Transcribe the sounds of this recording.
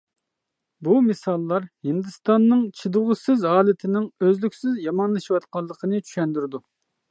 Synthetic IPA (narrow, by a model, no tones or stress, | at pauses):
bumɨsɑlˠːɑɾhɪnd̪ɨst̪ɑnːɨŋt͡ʃʰid̪ʊʁʊsɪzɑːlɪt̪ʰɪnɪŋøzlykʲsɪzjɑmɑnlˠɨʃiwɑt̪qɑlˠːəqʰənɨt͡ʃʰy̥ʃɛnd̪yɾɪd̪u